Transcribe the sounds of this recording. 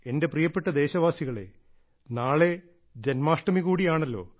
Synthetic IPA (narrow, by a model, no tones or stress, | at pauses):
e̞nde̞prijɐpːeʈːɐd̪e̞ːɕɐʋaːsiɣɐɭḛ | naːɭe̞ | d͡ʑenmaːʂʈɐmiɣuːɽijaːɳɐlːo̞̰ː